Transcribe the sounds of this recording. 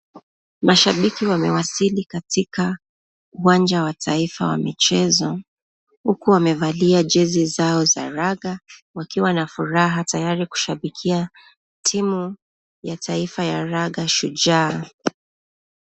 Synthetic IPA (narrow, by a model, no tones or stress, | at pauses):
maʃaɓikiwamɛwasilikatika | uwand͡ʒawatʰaifa̰wa̰mit͡ʃɛzɔ | hukuwamɛvaliad͡ʒɛzizaɔza̰ɾaɣawakiwanafuɾaɦatajaɾiku̥ʃaɓikʰia | tʰimu | jatʰaifajaɾaɠaʃud͡ʒaː